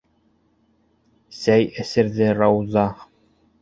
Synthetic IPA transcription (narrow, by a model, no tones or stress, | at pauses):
sæjɘ̆sɘ̆ɾðɘɾɑwzɑ